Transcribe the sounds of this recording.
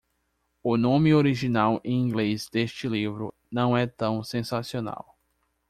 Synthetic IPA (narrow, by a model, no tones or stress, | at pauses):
ʊnõmɪoɾiʒinawẽĩɡlezd̪eʃt͡ʃɪlivɾʊ̰ | nɐ̃w̃ɛt̪ɐ̃w̃sẽsasiona̰w